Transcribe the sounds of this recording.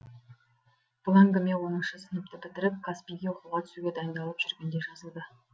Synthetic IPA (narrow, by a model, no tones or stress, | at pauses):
b̥ʊlˠɑŋɡəmewo̞nəɴʃəsɪnəp̚t̪ɪbɪt̪ɪɾɪp̚kʰaspijɡʲe̞woquʁɑt̪ʰʏ̥suɡʲe̞d̪ɑjənd̪ɑlˠəpʒ̥ʏɾɡʲe̞nd̪eʒɑzəlˠd̪ə